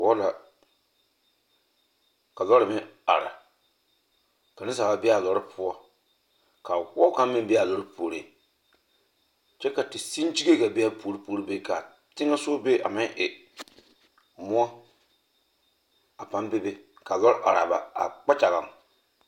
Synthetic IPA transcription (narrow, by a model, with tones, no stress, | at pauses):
ɔ˦la˨ | ka˨lɔ˦ɾɪ˨mɪ˦a̰˨ɾa̰˨ | ka˨nɪ˦sa˨ba˨bɪ˦a˨lɔ˦ɾɪ˦pʰʊ˦ɔ˦ | ka˨wɔ˦ka˦m˦mɪ˦bɛ˦a˨lɔ˦ɾɨ˦pʰoː˨ɾi˨ | t͡ʃɛ˦ka˨tɪ˨si˦nd͡ʒi˦ɡe˦ka˨bi˦a˦po˨˦ɾi˦poː˦ɾi˦be˦ka˨ | tɪ˦ŋa˦so˦be˦ʔa̰˨mɪ˦ŋʔɪ˨ | mʊ˦ɔ˦ | a˨pa˦nbe˦be˦ | ka˨lɔ˦ɾɪ˦ʔa˨ɾa˨ba˨a̰˨k͡pa˦t͡ʃa˨ɣa˨ŋ